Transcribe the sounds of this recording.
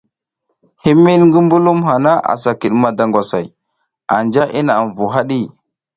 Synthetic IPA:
hi˦mi˦nŋɡə˦mbu˦lu˦mɦa˨na˦ʔa̰˨sa˨ki˨ɗma˨da˨ŋɡʷa˨sa̰˨j | a̰˨nd͡ʒa˦ʔi˦na˨ɱvu˨ɦa˦ɗi˦

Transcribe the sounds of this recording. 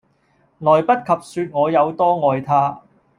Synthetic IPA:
lɔː˨˩jpɐ˥t̚kʰɐ˨p̚syː˧t̚ŋɔː˨˧jɐ˨˧wt̪ɔː˥ŋɔː˨˧jt̪ʰaː˥

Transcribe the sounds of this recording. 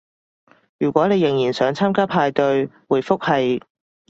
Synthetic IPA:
jyː˨˩kʷɔː˨˥ne˨˧jɪ˨˩ŋjiː˨˩nsœː˨˥ŋt͡sʰaː˥mkaː˥pʰaː˧jt̪ɵ˧ɥwuː˨˩jfʊ˥k̚hɐ˨j

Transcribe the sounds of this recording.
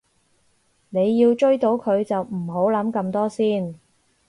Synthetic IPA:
ne˨˧jːiː˧wt͡ʃɵ˥ɥt̪o˨˥wkʰɵ˨˧ɥt͡sɐ˨wm̩˨˩ɦo˨˥wlɐ˨˥mkɐ˧mt̪ɔː˥siː˥n

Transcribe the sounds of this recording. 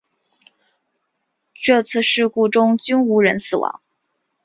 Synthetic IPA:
ʈ͡ʂɤ˥˧t͡sʰɹ̩˥˧ʂɻ̩˥˧ku˥˩ʈ͡ʂʊ˥ŋt͡ɕy˥nu˧˥ɻə˧˥nsɹ̩˨˩wɑ̰˧˥˦ŋ

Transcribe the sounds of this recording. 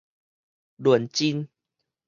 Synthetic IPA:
lwə˨˩nt͡ɕi˦n

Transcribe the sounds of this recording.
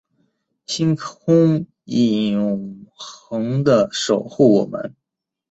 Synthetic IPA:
t͡ɕʰi˥ŋkʊ˥ŋ | i˨˩ʊ˨˩ŋxɤ˧˥ŋd̪ə˧ʂo˨˩ʊxu˥˩wɔ˨˩mə̰˧˦n

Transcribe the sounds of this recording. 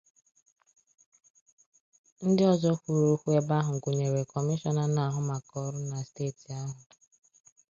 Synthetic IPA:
n̩˦dɪ˦ɔ˨zɔ˦kʷu˨ɾo˦kʷu˦e˦ba˦ɦʊ˨ŋ̩˨kʷu˨ɲe˨ɾe˨kɔ˨mɪ˦ʃɔ˦na˨na˨ɦʊ˨ma˨kɔ˨ɾʊ˦na˨steː˦˨ti˨a˦ɦʊ˨

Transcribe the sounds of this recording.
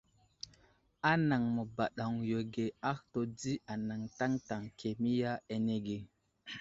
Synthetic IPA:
a˦na˨ŋmə˨ba˨ɗa˨ŋjo˨ɡe˨a˦xto˨di˦a˨na˨ŋta˦ŋta˨ŋkʰe˨mi˦ja˦e˨ne˦ɡe˨

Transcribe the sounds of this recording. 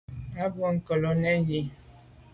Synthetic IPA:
a˦bwɔ˦˨ŋ̩˦kə˨lo˨nɛ˦ji˦

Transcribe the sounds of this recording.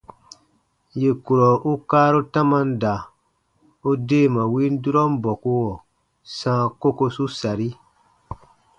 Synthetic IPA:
je˨ku˨ɾɔ˨ʔu˦kaː˦ɾu˦tã˦mã˦n˦da˨ | u˦deː˦˨mã˨wi˦n˦du˦ɾɔ˦m˦bɔ˨ku˦wɔ˨ | sãː˦ko˦ko˦su˦sa˨ɾi˦

